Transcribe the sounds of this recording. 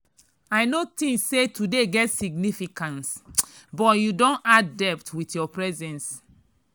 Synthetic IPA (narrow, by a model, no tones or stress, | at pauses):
aɪnot̪ĩŋssːetʰudeɡɛtsiɡnifikãnsbɔtjudõnaddɛp̚tʰwitjɔpɹɛzɛ̃ns